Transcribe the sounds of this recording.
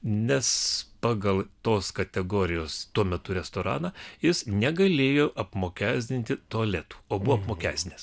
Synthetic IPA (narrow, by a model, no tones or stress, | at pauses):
nʲɛspɑːɡɐlˠt̪oːskɐt̪ʲɛɡoːɾʲɪjoːst̪uɔmʲɛt̪ʊɾʲɛst̪oːɾɑ̰ːnɑjɪsnʲɛɡɐlʲeːjoːʔɐpmoːkʲæːzʲd̪ʲɪnʲt̪ʲɪt̪oɐlʲæːt̪u̥ːoːbʊʋoːɐpmoːkʲæːsʲt̪ʲnʲeːs